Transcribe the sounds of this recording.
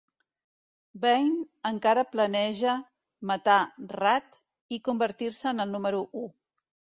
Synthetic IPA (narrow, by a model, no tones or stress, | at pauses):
bɛjnəŋkaɾəplənɛʒə | mət̪arat̪ | ikumbəɾt̪iɾsəːnəlˠnuməɾuʔu